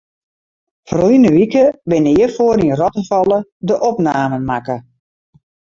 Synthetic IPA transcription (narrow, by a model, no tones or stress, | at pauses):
frujnəʋikəbɪnəjəfoːəɾinrɔtəfɔlˠədəʔɔpnaːmənmakə